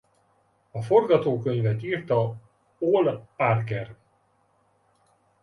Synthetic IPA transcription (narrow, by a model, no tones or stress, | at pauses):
ɒfo̞rɡɒt̪oːkø̞ɲvɛt̪iːrt̪ɒ | oːlparkɛr